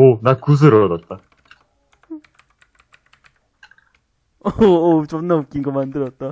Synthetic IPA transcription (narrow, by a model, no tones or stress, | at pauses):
onakus̬ʰɯɾʌdat̚t͈a | t͡ɕʌnːaok͈inɡʌmandɯɾʌt̚t͈a